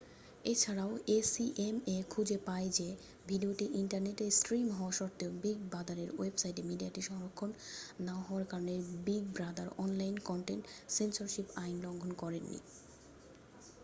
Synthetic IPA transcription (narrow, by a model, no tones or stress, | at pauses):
et͡ɕʰaɾaoesiʔemekʰud͡ʑepaed͡ʑe | bʱiɖioʈiʔiɳʈaɾneʈesʈɾimɦɔaʃɔɾt̪ːeobiɡ̚bad̪aɾeɾwebsajʈemiɖiaʈiʃɔŋɾokʰːonːaɦɔaɾkaɾoneɾbiɡ̚bɾad̪aɾɔnlajnkɔɳʈenʈsensoɾʃipajnloŋɡʱonkɔɾenːḭ